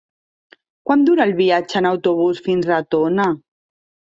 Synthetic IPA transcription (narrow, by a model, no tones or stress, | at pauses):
kwand̪uɾalˠβiat͡ʃəːnawt̪uβ̞usfinzlat̪ona